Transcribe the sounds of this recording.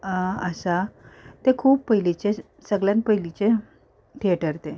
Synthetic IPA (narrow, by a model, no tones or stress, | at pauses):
əsat̪ekʰuːppəɦilit͡ɕe | səɡljãnpəɦilit͡ɕe | ʈ̪ʰieʈəɾt̪e